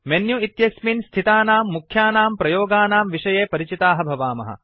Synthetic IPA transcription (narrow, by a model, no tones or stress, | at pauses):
menjuit̪jɐsminst̪ʰit̪aːnaːmːukʰjaːnaːmpɾɐjoːɡaːnaːmʋiʂɐjeːpɐɾit͡ʃit̪aːɦɐbʱɐʋaːmɐ̰ɦɐ̰